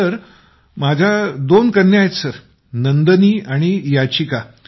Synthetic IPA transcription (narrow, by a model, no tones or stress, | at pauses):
əɾ | mad͡ʑʱad̪onkəɾnjajet͡ssəɾ | nənd̪əniːaɽ̃ijat͡ɕika